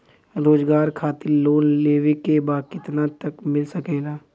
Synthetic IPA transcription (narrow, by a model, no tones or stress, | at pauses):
ɾoːd͡ʒɡaːɾkʰaːt̪ɪɾloːnleːʋekebaːkɪt̪nat̪əkmɪlsəkeːɡaː